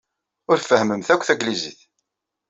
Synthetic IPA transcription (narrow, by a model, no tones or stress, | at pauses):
ʊɾfəhməmθækʷːθæɡlizḭθ